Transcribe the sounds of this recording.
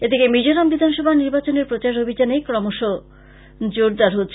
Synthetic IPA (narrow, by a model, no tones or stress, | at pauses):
et̪ekemid͡ʑoɾambid̪ʱanʃɔbʱaniɾbat͡ɕoneɾpɾot͡ɕaɾobʱid͡ʑanekɾɔmoʃo | d͡ʑoɾd̪aɾɦotːɕʰ